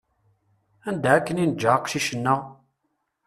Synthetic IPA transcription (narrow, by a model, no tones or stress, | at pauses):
ænd̪aækːəninəd͡ʒːaqʃiʃənːə